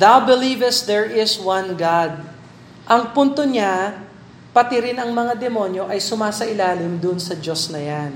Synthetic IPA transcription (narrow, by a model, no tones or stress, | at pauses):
ðawbɪlivɛst̪̚d̪ɛɹɪswɐ̃nɡad̪̚ | ʔɐŋpunt̪o̞ɲa | pɐt̪ɪɾɪnɐŋmɐŋad̪ɛmo̞njo̞ʔɐjsʊmaːsɐʔɪlaːlɪmd̪ʊnsɐd͡ʒo̞snɐjan